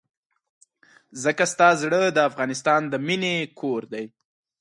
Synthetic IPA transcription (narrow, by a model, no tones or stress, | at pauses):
zəkast̪ɑzɽəd̪əafɣɑnɪst̪ɑnd̪əminekʰoɾd̪aj